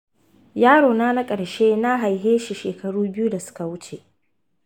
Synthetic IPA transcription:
jaː˦ɽoː˨naː˦na˦kʼɐ˨ɽʃe˦na˦ɦa˨jɦeː˦ʃi˨ʃeː˨kɐ˨ɽuː˦bɪ˦ju˦da˨sʊ̥˦ka˨wʊ˦t͡ʃe˨ʔ

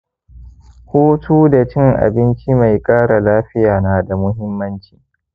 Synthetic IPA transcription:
huː˦tʰuː˦da˨t͡ʃɪ˦˨ŋʔa̰˨bɪ˦nt͡ʃi˦ma˨jkʼaː˦ɽa˨laː˦ɸɪ˦jaː˨na˦da˨mʊ˦ɦɪ˦mːɐ˦nt͡ʃi̥ː˨

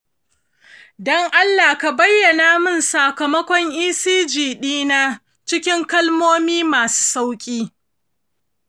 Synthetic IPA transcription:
dɔ˦ŋʔa˦lːaː˨ka˨bɐ˦jːɐ˨naː˨mɪ˦˨nsa˨kɐ˨mɐ˦kʷɔ˦ŋʔiː˦siː˦d͡ʒiː˨ɗiː˦na˦ | t͡ʃɪ˦kʲɪ˦ŋkɐ˦lmoː˦miː˦maː˨su̥ː˦sa˦wkʲʼiː˦

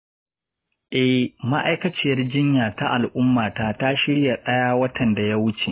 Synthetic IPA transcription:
ʔɛ˨hma˦ʔa˦jkɐ˦t͡ʃɪ˦jɐ˦rd͡ʒɪ˦ɲjaː˨ta˦ʔa˨lʔʊ˦mːaː˨taː˦ta˦ʃɪ˦ɽja˨ɗɐ˦jaː˦wɐ˦tʰɐ˨nda˨ja˦wʊ˦t͡ʃe˨ʔ

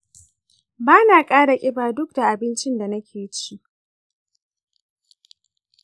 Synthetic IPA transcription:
baː˦naː˨kʼaː˦ɽa˨kʲʼɪ˦baː˨dʊ˦k̚da˨ʔa˨bɪ˦nt͡ʃɪ˦nda˨nɐ˦kʲʰeː˨jt͡ʃi˦ʔ

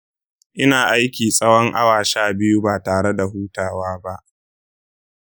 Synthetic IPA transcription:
ʔɪ˦naː˨ʔa˦jkʲiː˨sʼɐ˦wɔ˦ŋʔa̰˦waː˨ʃaː˦bɪ˦ju˦baː˨taː˨ɽe˦da˨huː˦taː˨waː˦ba˦ʔ

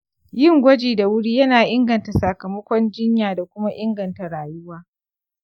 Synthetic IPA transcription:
jɪ˦˨ŋɡʷɐ˦d͡ʒeː˨da˨wʊ˦ɽiː˦jɐ˦naː˨ʔɪ˦ŋɡɐ˨nta˨sa˨kɐ˨mɐ˦kʷɔ˦nd͡ʒɪ˦ɲjaː˨da˨kʷʊ˦ma˦ʔɪ˦ŋɡɐ˨nta˨ɽaː˨jʊ˦waː˦

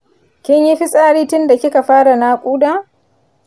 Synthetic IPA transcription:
kʲɪ˦ɲji˦ɸi˦sʼaː˦ɽiː˦tʊ˦nda˨kʲɪ˦ka˨ɸaː˦ɽa˨naː˦kʷʼuː˦daː˦˨

